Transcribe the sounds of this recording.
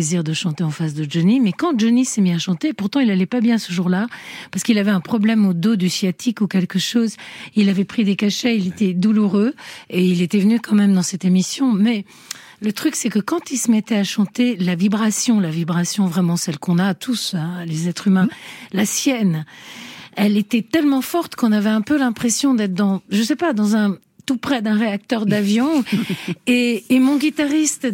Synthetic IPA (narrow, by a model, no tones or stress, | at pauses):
eziʁd̪əʃɑ̃t̪eɑ̃fasd̪əd͡ʒənimɛkɑ̃d͡ʒənisɛmiaʃɑ̃t̪epuʁt̪ɑ̃ilalɛpabjɛ̃səʒuʁlapaʁskilavɛɛ̃pχɔblɛmod̪od̪ysjat̪ʰikukʲɛlkəʃozilavɛpχid̪ekaʃɛilet̪ɛd̪uluʁøeilet̪ɛvənykɑ̃mɛmd̪ɑ̃sɛt̪emisjɔ̃mɛ | lət̪χyksɛkəkɑ̃t̪ilsəmɛt̪ɛaʃɑ̃t̪elavibʁasjɔ̃lavibʁasjɔ̃vʁɛmɑ̃sɛlkɔ̃nat̪ʰusɛ̃lezɛt̪χymɛ̃lasjɛn | ɛlet̪ɛt̪ɛlmɑ̃fɔʁt̪kɔ̃navɛɛ̃pølɛ̃pχɛsjɔ̃d̪ɛt̪χd̪ɑ̃ʒəsɛpad̪ɑ̃zɛ̃ | t̪upχɛd̪ɛ̃ʁeak̚t̪œʁd̪avjɔ̃ | eːmɔ̃ɡʲit̪aʁist̪